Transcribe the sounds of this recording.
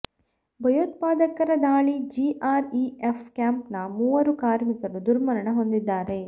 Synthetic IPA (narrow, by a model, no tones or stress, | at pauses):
bʱɐjoːt̪̚paːd̪ɐkɐɾɐd̪aːɭid͡ʒiʔaːɾiepʰkjaːmpnɐmuːʋɐɾukaːɾmikɐɾud̪uɾmɐɾɐɳɐɦo̞nd̪id̪ːaːɾe̞